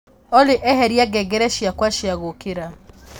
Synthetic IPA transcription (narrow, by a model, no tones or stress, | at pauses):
ɔleʔɛɦɛɾjaɡɛɡɛɾɛʃiakwaʃiaɣokeɾa